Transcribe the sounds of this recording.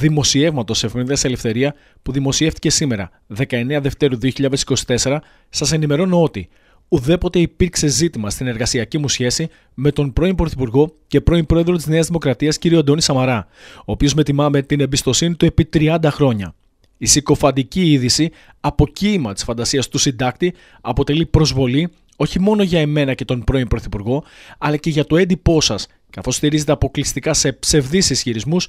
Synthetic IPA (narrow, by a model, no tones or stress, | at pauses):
ðimo̞sie̞vmɐt̪o̞se̞fminðiɐsele̞fθe̞ɾiɐ | puðimo̞sie̞ft̪i̥ce̞sime̞ɾɐ̰ | ðe̞kɐe̞ne̞ɐðe̞ft̪e̞ɾuðio̞çiʎɐðesi̥ko̞si̥t̪e̞se̞ɾɐ | sɐse̞nime̞ɾo̞noo̞t̪i | uðe̞po̞t̪e̞ipiɾkse̞zit̪imɐst̪ine̞ɾɣɐsiɐcimusçe̞si | me̞t̪o̞npɾo̞impɾo̞θipuɾɣo̞ce̞pɾo̞impɾo̞eðɾot̪izne̞ɐzðimo̞kɾɐt̪iɐsciɾio̞d̪o̞nisɐmɐɾɐ | o̞ːpio̞zme̞t̪imɐme̞t̪inembist̪o̞sinit̪ue̞pit̪ɾiɐnd̪ɐxɾo̞ɲɐ | isiko̞fɐnd̪iciiðisi | ɐpo̞cimɐt̪i̥sfɐnd̪ɐsiɐst̪usind̪ɐk̚t̪i | ɐpo̞t̪e̞lipɾo̞zvo̞li | o̞çimo̞no̞ʝɐe̞me̞nɐce̞t̪o̞npɾo̞impɾo̞θipuɾɣo̞ɐlɐce̞ʝɐt̪o̞e̞nd̪ipo̞sɐs | kɐθo̞st̪iɾize̞t̪e̞ɐpo̞klist̪ikɐse̞pse̞vðisisçiɾizmus